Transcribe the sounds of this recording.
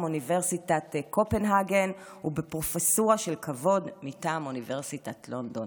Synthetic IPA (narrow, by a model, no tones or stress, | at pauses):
muniveʁsitatkopenɦaɡen | ubepʁo̞fesoʁaʃelkʰavo̞dmitaːmunive̞ʁsitatlo̞ndon